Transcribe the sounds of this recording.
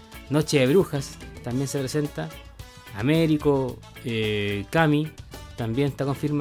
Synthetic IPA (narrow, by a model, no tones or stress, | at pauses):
not͡ʃeβɾuxast̪ambjensepɾesent̪aː | meɾiko | ekamit̪ambjenet̪akoɱfiɾm